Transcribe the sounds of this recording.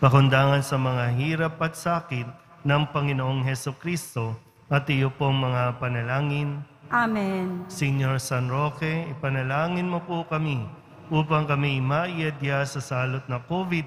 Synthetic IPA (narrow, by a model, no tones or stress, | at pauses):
pɐkʊnd̪aːŋɐnsɐmɐŋaɦiːɾɐpɐt̪saːkɪt̪̚ | nɐŋpɐŋɪnoʔoŋɦɛsʊkɾist̪o̞ | ʔɐt̪ɪjopoŋmɐŋapɐnɐlaːŋɪn | ʔamɛnsɛɲoɹsanɾokɛɪpɐnɐlaːŋɪnmopokɐmi | ʔuːpɐŋkɐmimaːʔɪjɐd̪jasɐsaːlot̪̚nɐkoːvɪd̪̚